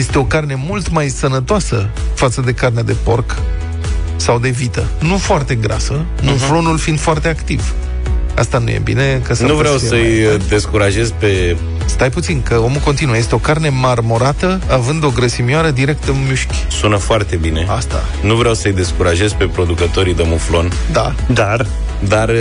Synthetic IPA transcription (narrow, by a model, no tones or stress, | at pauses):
je̞st̪e̞o̞karne̞mult̪majsənət̪oasəfat̪səd̪e̞karnead̪e̞po̞rk | sawd̪e̞vit̪ə | nufoart̪e̞ɡɾa̰sə | nuflo̞nulfind̪foart̪e̞akt̪iv | a̰st̪anujḛbḭne̞kəsnəuvɾɾawsəjjd̪e̞skuɾaʒe̞zpe̞ | st̪ajput̪sinkəo̞mukont̪inujəjest̪eo̞karne̞marmo̞ɾat̪əavɨnd̪o̞ɡɾəsimiaɾəd̪iɾe̞k̚t̪əɨnmuʃkʲ | sunəfoart̪e̞bine̞ast̪a̰ | nuvɾeawsəjd̪e̞skuɾaʒe̞zpe̞pɾo̞d̪ukət̪o̞ɾid̪emuflo̞n | d̪a | d̪ar | d̪ar